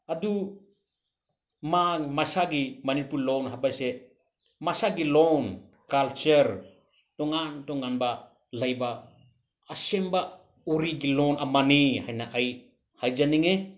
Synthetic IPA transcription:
adu | maŋmasaɡimanipulɔwnɦabajse | masaɡilɔn | kalt͡ʃeɾ | tɔŋantɔŋanba | lajbaː | semba | uɾiɡilɔnamanihajnaʔaj | hajd͡ʒaniŋe

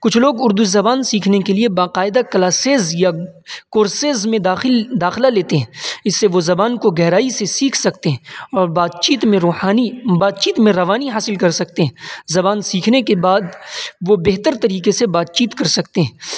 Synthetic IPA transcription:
kʊt͡ʃʰloːɡʊɾd̪uzɐbaːnsiːkʰnekeliebaːqaːɪd̪akɐlaːseːzjakoːɾseːzmẽd̪aːɪld̪aːxɪlaleːt̪eɦɛ̃ːɪsːeʋozɐbaːnkoɡɛɦɾaːisesiːkʰsɐkt̪eɦɛ̃ɔːɾbaːd̪t͡ʃiːt̪mẽɾoːhaːnibaːd̪̚t͡ʃiːt̪mẽɾɐʋaːniɦaːsɪlkɐɾsɐk̚t̪eɦɛ̃ːzɐbaːnsiːkʰnekebaːd̪ʋobeɦt̪əɾt̪ɐɾiːqesebaːt̪̚t͡ʃiːt̪kɐɾsɐkt̪eɦɛ̃ː

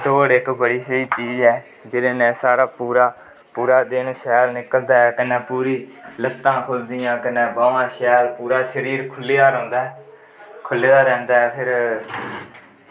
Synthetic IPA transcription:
t̪oːɽɪkbəɽiːsəiːt͡ʃiːzɛː | d͡ʒɪɾeːnɛ̃ːsaːɾaːpuːɾaː | puːɾaːd̪ɪnʃɛːlnɪkəld̪aːɛːkɪnɛ̃ːpuːɾiːləkt̪ãːkʰʊld̪ɪjãːkɪnɛ̃ːbaːʋãːʃɛːlpuːɾaːʃəɾiːɾkʰʊlːejaːɾɔ̃ːnd̪aːɛ | kʰʊlːeːd̪aːɾɛ̃ːnd̪aːɛːpʰɪɾ

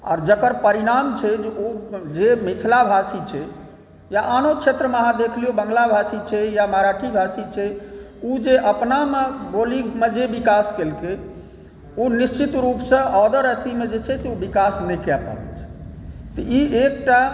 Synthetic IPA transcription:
ɔ̰ɾd͡ʒəkəɾpəɾiɾamt͡ʃʰɛd͡ʒeod͡ʒemit̪ʰlabʱasit͡ʃʰɛ | jaʔanot͡ʃʰet̪ɾəmeaɦãd̪ekʰliobəŋɡlabʱasit͡ʃʰɛjamaɾaʈʰibʱasit͡ʃʰɛud͡ʒeʔəpnameboliɡmed͡ʒebikaskelke | onist͡ʃit̪ɾupsə̃ɔd̪əɾət̪ʰimed͡ʒet͡ʃʰɛseobikasnɛjkɛpa̰bɛ̰t͡ʃʰɛ̥t̪ɔiek̚ʈa

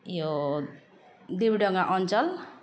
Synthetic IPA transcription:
jo | d̪ibɖʌŋaʔʌnt͡sʌl

